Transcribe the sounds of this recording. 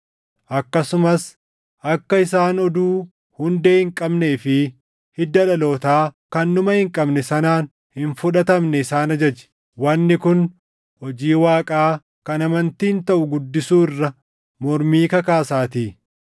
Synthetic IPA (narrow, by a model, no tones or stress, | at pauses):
ʔɐkːɐsʊmɐs | ʔɐkːɐɪsaːnɔd̪uː | hʊnd̪eːhɪŋkʼɐbne̞ːfɪ | hɪd̪ɐᶑɐlo̞ːt̪aːkɐnːʊmɐhɪŋkʼɐbnɛsɐnaːn | hɪnfʊᶑɐt̪ɐmnɛɪsaːnɐd͡ʒɐd͡ʒɛ̥ | wɐnːɪkʊn | hɔd͡ʒiːwaːkʼaː | kɐnɐmɐnt̪iːnt̪ɐʔʊɡʊd̪ːɪsuːɪrːɐ | mɔɾmiːkɐkaːsaːt̪iː